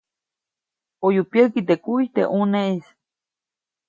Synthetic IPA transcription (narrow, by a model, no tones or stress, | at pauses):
ojupjəkit̪ekuit̪ḛʔuneʔis